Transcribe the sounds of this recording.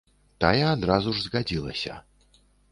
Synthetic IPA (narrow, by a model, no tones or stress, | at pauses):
t̪ajɛad̪ɾazuʐzɣad͡zʲilˠɐ̰sʲɐ̰